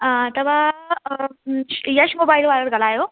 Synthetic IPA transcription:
ət̪əʋa | ɕjaɕmobailʋaɾəɾɡəlajo

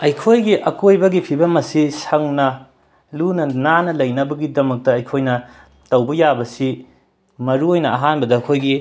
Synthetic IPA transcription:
ɐjkʰojɡiʔɐkojbɐɡipʰibɐmɐsisɐŋnɐ | lunɐnanɐlɐjnɐbɐɡidɐmɐk̚tɐɐjkʰojnɐ | tɐwbɐjabɐsi | mɐɾuojnɐɐɦanbɐdɐːkʰojɡi

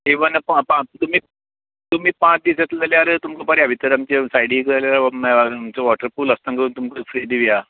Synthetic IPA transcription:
eʋənppãt̪um̤iː | t̪um̤iːpãt͡sd̪isat̪lləljaɾt̪umkəpaɾiaʋit̪əɾamt͡ɕesajɽikəɾljaɾmːmt͡ɕaʋɔʈəɾfuːləst̪aŋkət̪umkəfɾid̪iʋja

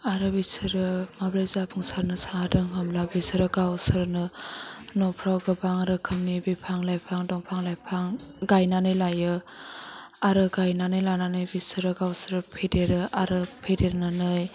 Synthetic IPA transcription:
aɾɯbisɯɾɯmabɾezabʰɯŋsaɾnɯsaadɯŋɦɯmlabisɯɾɯɡawsɯɾnɯ | nɔpʰɾawɡɯbaŋɾɯkʰɯmnibipʰaŋlajpʰaŋdɔŋpʰaŋlajpʰaŋɡajnanɯjlajɯ | aɾɯɡajnanɯjlananɯjbisɯɾɯɡawsɯɾɯpʰedeɾɯʔaɾɯpʰedeɾnanɯj

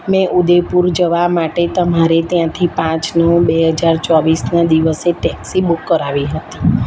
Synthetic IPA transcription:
mɛ̃ʔud̪epuɾd͡ʒəʋamaʈet̪əmaɾet̪jãt̪ʰipãt͡ʃnũbeɦəd͡ʒaɾt͡ʃɔʋisnad̪iʋəseʈɛksibukːəɾaʋiɦət̪i̥

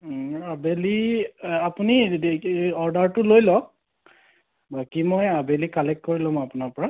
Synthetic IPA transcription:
abeliapuni | ɔɹdaɹtʊlojlɔ | bakimɔjabelikalɛk̚kːoɹilɔ̃apunaɹpɔɹa

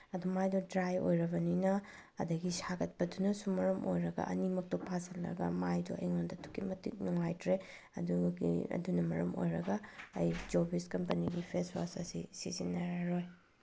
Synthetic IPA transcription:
ɐdumajdɔdɾajo̰jɾɐbɐninɐː | dɐɡisaɡɐt̚pɐdunɐsumɐɾɐmʔo̰jɾɐɡɐ̰ʔɐnimɐk̚tɔpʰasʰɐlːɐ̰ɡɐ̰majdɔʔɐ̰jŋondɐtʰu̥kimɐtḭt̚nuŋajtʰɾe | ɐ̰duɡḭɐ̰dunɐmɐɾɐmo̰jɾɐɡɐɐ̰jd͡ʒobiskɐmpɐniɡipʰeswa̰sɐsḭsisinɐɾaɾoj

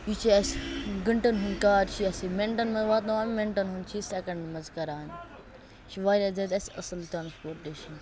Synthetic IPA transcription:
it͡ʃʰiɐsɡɐɳʈɐnɦunkaːɾt͡ʃʰiɐsimeɳʈɐnmɐʋaːt̪nɐʋaːmmẽɳʈɐnɦunt͡ʃʰisekɐɳɖmɐzkɐɾaːn | ʃʰiʋaːɾʲɐːd͡zed̪ɐsɐ̰sɐlʈ̪ɾaːnspoːɾʈeːʃɐn

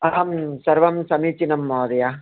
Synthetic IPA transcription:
ɐɦɐmsɐɾʋɐmsɐmiːt͡ʃinɐmːaːd̪ɐjaː

